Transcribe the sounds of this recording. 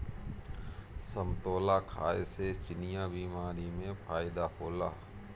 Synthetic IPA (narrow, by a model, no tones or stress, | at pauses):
səmt̪oːlakʰa̰ːeset͡ʃɪnɪjabiːmaːɾimẽpʰaːjɪd̪aɦoːla̰ː